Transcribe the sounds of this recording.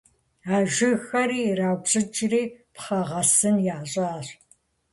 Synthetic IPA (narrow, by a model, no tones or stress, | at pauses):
aːʒɪxɐɾiːraːwbɕʼɪt͡ʃʼriːpχɐʁɐsɨnjaːɕʼaːr